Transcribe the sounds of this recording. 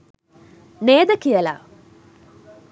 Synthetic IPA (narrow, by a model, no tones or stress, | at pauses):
neːd̪ɐkijɐla̰ː